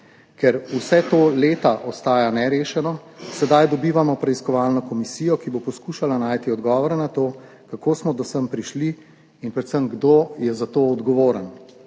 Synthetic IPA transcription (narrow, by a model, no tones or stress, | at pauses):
kɛɾusɛt̪oːleːt̪aʔɔst̪aːjanɛɾeːʃɛnɔsɛd̪ajd̪ɔbiːʋamɔpɾɛiskɔʋaːlnɔkɔmisiːjɔkibopɔskuːʃalanaːjt̪iɔd̪ɡɔːʋɔɾɛnat̪oː | kakoːsmɔd̪ɔsəmpɾiʃliː | npɾɛt̪səmɡd̪oːjɛzat̪oɔd̪ɡɔʋoːɾən